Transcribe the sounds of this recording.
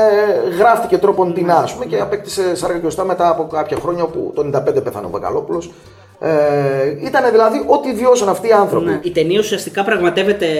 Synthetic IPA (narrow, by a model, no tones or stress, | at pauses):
ɣɾɐft̪ice̞t̪ɾo̞po̞nt̪inɐːspumeceɐpek̚t̪i̥se̞sɐɾɣɐceost̪ɐme̞t̪ɐːpo̞kɐpçɐxɾo̞ɲɐo̞pṵt̪oenind̪ɐpend̪epeθɐ̰no̰vɐ̰kɐ̰lo̞pulo̞s | eit̪ɐne̞ðilɐðiʔo̞t̪iːðio̞sonɐft̪iːɐnθɾo̞iit̪eniɐusiɐst̪ikɐpɾɐɣmɐt̪e̞ve̞t̪e̞